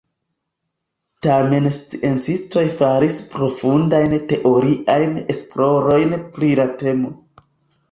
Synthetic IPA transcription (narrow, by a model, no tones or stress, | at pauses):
tame̞nst͡siʔe̞nt͡sisto̞jfaɾispɾo̞fundajnte̞ʔo̞ɾiʔajne̞splo̞ɾo̞jnplilate̞mo̞